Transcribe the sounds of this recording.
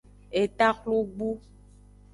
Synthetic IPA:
e˨t̪a˦xlo˦ɡ͡bu˦

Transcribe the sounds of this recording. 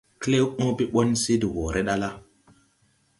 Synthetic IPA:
kle˦wʔo˦pi˦ɓo˦nsi˦di˨wo˨ɾʔe˦ɗa˦la˦

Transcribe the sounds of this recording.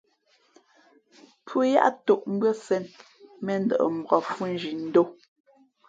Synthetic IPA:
pʰu˦ja̰˦ʔto˦˨ʔm̩˦bɰə˦sɛ˨n | mɛ˨n̩˦də̰˨ʔə̰˨m̩˨bʁɔ˨fu˦n̩˦d͡ʒi˨n̩˦do˦

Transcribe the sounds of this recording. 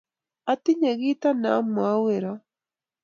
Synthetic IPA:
a˦ti˦ɲe˨ɣi˦ta˦na˨˦mwa˦weɾa

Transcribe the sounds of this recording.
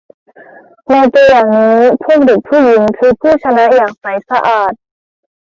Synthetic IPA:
naː˧t̪u˧jaː˨˩ŋniː˦˥pʰu˥˩ək̚de˨˩k̚pʰuː˥˩ji˩˦ŋkʰɯː˧pʰuː˥˩t͡ɕʰa˧na˦˥ʔjaː˨˩k̚pa˨˦jsa˧ʔaː˨˩t̪̚

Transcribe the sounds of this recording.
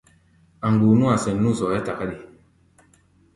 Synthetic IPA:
a˨ŋɡu˨nũ˦a˨sɛ˨nː˦ũ˦˨sɔ˨ja˦ta˨ka˦di˨

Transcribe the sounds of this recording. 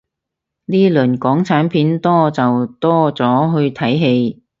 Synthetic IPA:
niː˥lɵ˨˩nkɔː˨˥ŋt͡sʰaː˨˥npʰiː˨˥nt̪ɔː˥t͡sɐ˨wt̪ɔː˥t͡sɔː˨˥ɦɵ˧ɥt̪ʰɐ˨˥jɦe˧j

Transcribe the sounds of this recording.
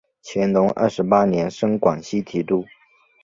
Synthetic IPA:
t͡ɕʰjɛ˧˥nt̪ʊ˧˥ŋə̰˥˩ʂɻ̩˧˥pa˥njɛ˧˥nʂɤ˥ŋkwa˨˩ŋɕi˥t̪ʰi˧˥ʈ͡ʂ̪u˥˩

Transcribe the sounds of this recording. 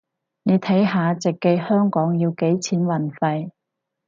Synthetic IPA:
ne˨˧jt̪ʰɐ˨˥jɦaː˨˧t͡sɪ˨kːe˧jhœː˥ŋkɔː˨˥ŋjiː˧wke˨˥jt͡sʰiː˨˥nwɐ˨˩nfɐ˨˧j

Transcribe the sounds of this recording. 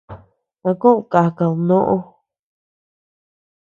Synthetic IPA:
ã˧kũ˦˧˨ka˨ka˨ũ˧nõ˦ʔõ˦

